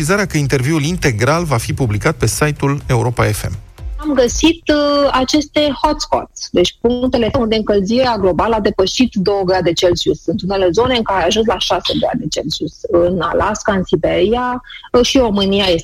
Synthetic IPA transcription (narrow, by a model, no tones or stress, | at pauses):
izaɾeakəint̪e̞rviulint̪e̞ɡɾalvafipublikat̪̚pe̞sajt̪ule̞uɾo̞paefḛmamɡəsit̪at͡ʃe̞st̪e̞ho̞t̪sko̰t̪sʲd̪e̞t͡ʃʲpuŋkt̪e̞le̞und̪e̞ɨŋkəlziɾeaɡlo̞baləad̪e̞pəʃit̪d̪o̞wəɡɾad̪t͡ʃelsjusɨnt̪une̞le̞zo̞ne̞ɨŋkaɾeeaʒuns̬laʃase̞ɡɾa̰d̪e̞t͡ʃelsusɨna̰laskaɨnsibe̞ɾiaʃiɾo̞mɨniaje̞s